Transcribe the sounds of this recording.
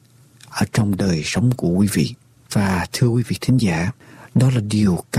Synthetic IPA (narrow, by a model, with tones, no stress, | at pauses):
ʔəː˧˩t͡ɕɔ˧wŋ͡mɗəː˨˩jsə˨˦wŋ͡mku˧˩əkwi˨˦vḭ˧˨ | v̥aː˨˩t̪ʰɨ˧kwi˨˦vḭ˧˨t̪ʰï˨˦ŋ̟zaː˧˩ɗɔ˨˦laː˨˩ɗi˨˩əwka